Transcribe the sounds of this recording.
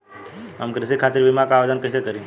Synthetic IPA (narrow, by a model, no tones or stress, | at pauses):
ə̰mkɾɪsikʰat̪ɪɾʋimakaːʋed̪ənkəsekəɾĩ